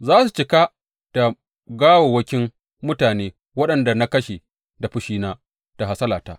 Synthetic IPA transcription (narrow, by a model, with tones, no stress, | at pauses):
zaː˦su˨t͡ʃɪ˨˦ka˦ | ta˨ | ɡaː˦wo˨wɐ˦kʲɪ˦m | mʊ˦taː˨neː˦ | wɐ˦ɗɐ˨nda˨na˦kɐ˦ʃe˨ | da˨ɸʊ˦ʃiː˦naː˦ | ta˨ha˨sɐ˦laː˨ta̰˦